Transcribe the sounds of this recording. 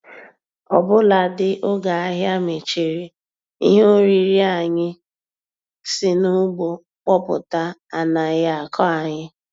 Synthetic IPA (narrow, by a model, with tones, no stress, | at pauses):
ɔ˨bʊ˦la˨dɪ˦ʔo˦ɡa˨a˦ɦja˦me˨t͡ʃe˨ɾi˨ | ḭ˦ɦe˦o˦ɾi˦ɾi˦a˨ɲɪ˦ | sɪ˦nʊ˦ɡ͡bo˨ | k͡pɔ˦pʊ̰˨ta˦a˨na˨ɣa˨kʰɔ˦a˨ɲɪ˦